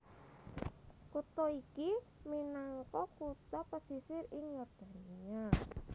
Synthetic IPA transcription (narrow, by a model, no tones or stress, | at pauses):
kut̪ɔiki | minaŋkɔkut̪apɔsisɪrɪŋjɔrd̪̥a̤nia